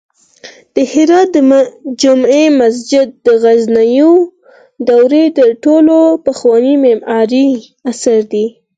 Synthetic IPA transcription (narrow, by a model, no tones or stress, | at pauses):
d̪̥əhɪɾɑt̪̚d̪əd͡ʒʊmemas̬d͡ʒɪd̪̚ːəɣaznajo | d̪awɾed̪əɾʈolopaxwɑnimɪmɑɾi | asaɾd̪i